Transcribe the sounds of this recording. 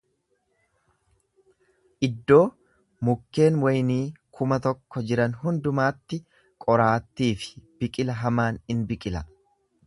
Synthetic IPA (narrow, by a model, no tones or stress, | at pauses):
ʔɪd̪ːo̞ː | mʊkːe̞ːnwɐjniːkʰʊmɐt̪ɔkːɔd͡ʒɪɾɐnɦʊnd̪ʊmaːt̪ːɪ | kʼɔɾaːt̪ːiːfɪ̥b̥ɪkʼɪlɐɦɐmaːnɪnbɪkʼɪlɐ̰